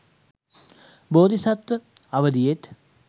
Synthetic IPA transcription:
boːd̪ʱisɐt̪ːə | ɐʋəd̪ijet̪

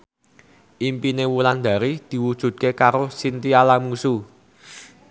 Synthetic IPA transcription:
ʔimpinewuland̪̥a̤ɾid̪̥i̤wud̥ʒ̥ṳd̪̚kekaɾosint̪ialamusu

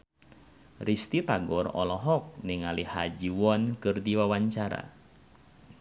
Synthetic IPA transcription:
rist̪it̪aɡɔrɔ̰lɔɦɔk̚niŋalihad͡ʒiwɔnkɨrdiwawaɲt͡ʃaɾa̰

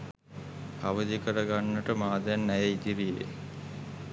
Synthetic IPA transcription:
aʋəd̪ikəɾəɡanːəʈəmaːd̪ænːæjeid̪iɾijḛ

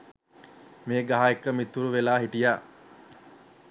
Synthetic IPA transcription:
meːɡaɦaekːəmit̪ːuɾuʋelaːɦiʈijaː

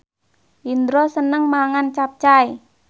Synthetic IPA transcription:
ʔind̪ɾɔsənəŋmaŋant͡ʃap̚t͡ʃae

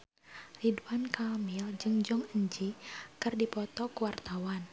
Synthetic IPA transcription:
riduankamild͡ʒɨŋd͡ʒɔŋəɲd͡ʒikɨrdipɔt̪ɔkuwart̪awan

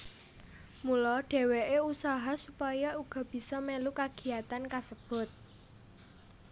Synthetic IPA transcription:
mulɔɖ̥e̤weʔeusaɦasupajɔuɡ̥ɔ̤b̥i̤sɔmɛlukaɡ̥i̤at̪ankasəb̥ʊ̤t̪̚

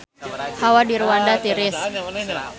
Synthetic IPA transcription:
hawadiɾwandat̪iɾɪs

